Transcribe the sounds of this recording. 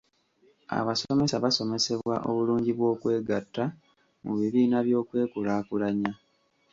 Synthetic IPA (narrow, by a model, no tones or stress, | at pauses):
a̰βasome̞saβaso̞me̞se̞βwa̰ʔo̞̰βuluːɲɟiβwo̞ːkwe̞ːɡatːa | muβiβiːnaβjo̞ːkwe̞ːkulaːkulaɲa